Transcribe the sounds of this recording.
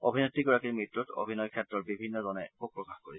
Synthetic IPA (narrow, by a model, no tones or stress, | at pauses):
obʱinɔtːiɡɔɹakiɹmitːuto̰bʱinɔjkʰɛtɹɔɹbibʱinːɔzɔnɛbuk̚pɹɔkaxkoɹisʰ